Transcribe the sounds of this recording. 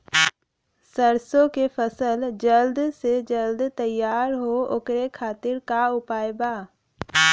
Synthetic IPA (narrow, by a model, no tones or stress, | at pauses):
səɾsõkepʰəsəld͡ʒəld̪sed͡ʒəld̪t̪əjːaːɾɦookɾekʰaːt̪ɪɾkaʊpaːjbaː